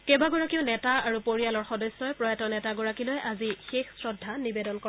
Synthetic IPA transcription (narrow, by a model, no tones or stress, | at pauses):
kebaɡɔɹakiʊnɛtaaɹupoɹijalɔɹxɔdɔjsːɔjpɹɔjatɔnɛtaɡɔɹakilojʔazixexsɹɔdʱːanibedɔnkɔ